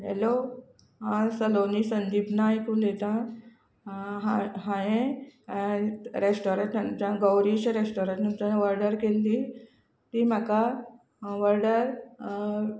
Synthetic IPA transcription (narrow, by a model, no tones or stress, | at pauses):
ɦɛlo | ɦãsəlonisənd̪iːbnaikund̪et̪ã | ɦaɦãjẽ | ɾesʈoɾẽɳʈd͡ʑãɡəwɾiɕɾesʈoɾẽʈnunt̪aʋəɾɖəɾkelːi | t̪imaka | ʋəɾɖəɾ